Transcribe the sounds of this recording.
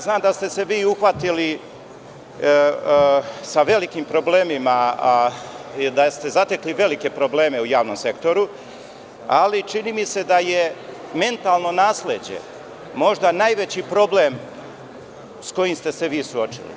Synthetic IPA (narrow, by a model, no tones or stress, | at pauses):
znaːmd̪ast̪e̞se̞ʋiːuxʋat̪ili | saʋe̞likimpɾo̞ble̞ːmima | d̪ast̪e̞zat̪e̞kliʋe̞like̞pɾo̞ble̞ːme̞ujaːʋnomse̞kt̪o̞ɾu | alit͡ʃiniːmise̞d̪aje̞me̞nt̪alˠno̞naːsled͡ʑḛ | mo̞ʒd̪anajʋet͡ɕipɾo̞ble̞m | sko̞jimst̪e̞se̞ʋiːsuo̞t͡ʃḭlḭ